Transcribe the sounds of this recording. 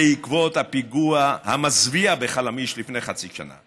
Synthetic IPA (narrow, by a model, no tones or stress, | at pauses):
eikvo̞t̪hapiɡuaha̰mazviabeχalamiʃlifne̞jχat͡siʃa̰na̰